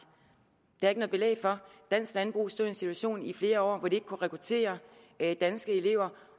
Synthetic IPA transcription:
d̥ɑ̈ɐe̝ɡənɔð̩ˠb̥e̝lḛɪfɒ̽d̥æn̰sɡ̥lænb̥ʁṵsd̥o̰ɐ̰e̝nsit͡sʰuæɕo̝̰ːnifle̝ːɐɒ̰ːʋɒd̥ee̝ɡ̥kʰuʁɛkʰʁut͡sʰe̝̰ːɐ | d̥ænsɡ̥əe̝le̝ʊ̰ɐ

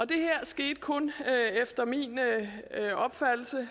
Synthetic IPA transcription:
ɒ̽d̥e̝hæɐ̰sɡ̥e̝̰ːd̥̚kʰɔ̽nefd̥ɐmin | ɒ̽b̥fæd̥l̩sə

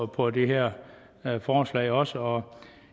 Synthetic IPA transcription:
pʰɒ̽d̥e̝ɦeɐ̰ | fɒːslɛ̰ɪɒ̽səɒ̽

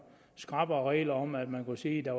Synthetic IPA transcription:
sɡ̥ʁɑ̈b̥ɐːʁɛ̰ːlɐɒ̽mæd̥mænkusiːd̥ɑ̈

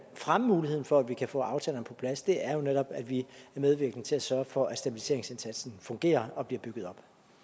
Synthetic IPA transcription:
fʁaməmuːliheð̰ˠn̩fɒ̽ædʋikʰæfɔ̰̽ːɑ̈ʊt͡sʰɛ̰ːlɐnpʰɒ̽pʰlæsd̥e̝æɐjo̝neɾ̥ɒ̽b̥æd̥ʋiæɐmeð̞ˠʋiɐɡ̥n̩ˠt͡sʰe̝læsɶɐfɒ̽ʔæ̥sd̥æb̥ilise̝ɐeŋse̝nsæd̥sn̩fɔ̽ŋɡ̥e̝̰ːɐɒ̽b̥liɐb̥yɡ̥ð̞̩ˠɒ̽b̥

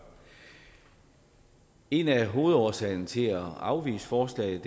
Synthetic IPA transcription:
e̝næɦo̝ːð̞̩ˠɒsɛɪ̰nət͡sʰe̝læɑ̈ʊʋḭːsə̥fɒːslɛ̰ɪð̩ˠd̥

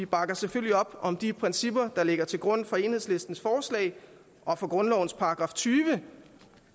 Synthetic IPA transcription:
ʋib̥ɑ̈ɡ̥ɐseføl̰liɒ̽b̥ɒ̽md̥ipʰʁɛnsib̥ɐd̥ɑ̈le̝ɡ̥ɐt͡sʰe̝lɡ̥ʁɔ̽n̰fɒ̽e̝nheðˠsle̝sd̥n̩sfɒːslɛ̰ɪ | ʔɒ̽fɒ̽ɡ̥ʁɔ̽nlɒʊn̩spʰɑ̈ːɡ̥ʁɑ̈ːft͡sʰyːʋə

